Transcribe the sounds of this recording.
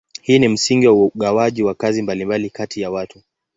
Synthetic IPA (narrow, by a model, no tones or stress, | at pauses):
hiːnim̩siŋɡiwauɠawaʄiwakazimbalimbalikatʰijawatu